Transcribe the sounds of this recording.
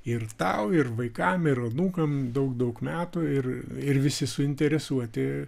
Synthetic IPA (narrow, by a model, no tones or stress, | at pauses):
ɪrt̪ɐʊɪrʋɐɪkɐmɪɾɐnuːkɐmd̪ɐʊkd̪ɐʊkmʲæːt̪ʊɪrɪrʋʲɪsʲɪsʊɪnʲt̪ʲɛɾʲɛsuɔt̪ʲɪ